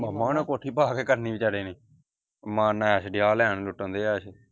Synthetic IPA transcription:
məmːãːnẽːkoːʈʰiːpaːkeːkəɾniːbit͡ʃaɽeːniː | mãːnɛʃɖɪjaːlɛːɳlʊʈːə̃nd̪eːaːʃ

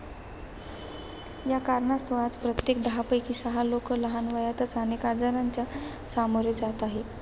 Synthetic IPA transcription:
jakaɾɳast̪oad͡zpɾət̪jek̚d̪ɦapəjkiːsəɦalokələɦanʋajat̪ət͡sanekad͡zaɾaɲt͡ɕja | samoɾet͡sat̪aɦe

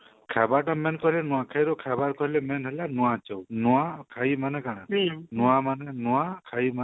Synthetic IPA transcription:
kʰɛbaɾʈamɛnkɔɦilɛnũwakʰajɾɔkʰɛbaɾkɔɦilɛmɛnɦɛlanuwat͡ʃɔwnuakʰajmanɛkaɽ̃anuwamanɛnuakʰajma

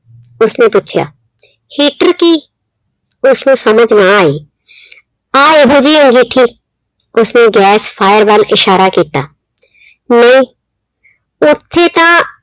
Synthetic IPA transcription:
ʊsnepuːt͡ʃʰja̰ː | hiːʈəɾki | ʊsnõsəməd͡ʒʱnãaːeː | aːebod͡ʒiːə̃ŋɡiːʈʰiː | ʊsneɡɛːspʰaːjəɾbalɪʃaːɾakiːt̪aː | nəĩː | ʊt̪ʰːet̪ãː

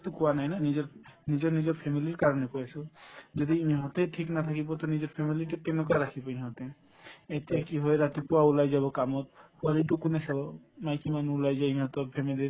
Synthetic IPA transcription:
t̪ukoanajnanid͡ʒɔɾnid͡ʒɔɾnid͡ʒɔɾpʰemiliɾkaɾɔnekɔesod͡ʒɔd̪iimiɦɔt̪eʈʰiknat̪ʰakibɔt̪ɔnid͡ʒɔɾpʰemiliʈekenokaɾakʰibaĩɦɔt̪e | et̪eɛkiɦɔeɾat̪ipuaulajd͡ʒabɔkamɔt̪̚kaliʈukunesɔbɔmajkʰimanuulajd͡ʒajmiɦɔt̪ɔpʰemiliɾ

